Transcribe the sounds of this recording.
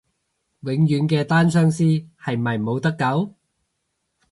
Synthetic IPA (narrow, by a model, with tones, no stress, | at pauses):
wɪ˨˥ŋjyː˨˥nkɛː˧t̪aː˥nsœː˥ŋsiː˥hɐ˨jmɐ˨˩jmo˨˧wt̪ɐ˥kːɐ˨˥w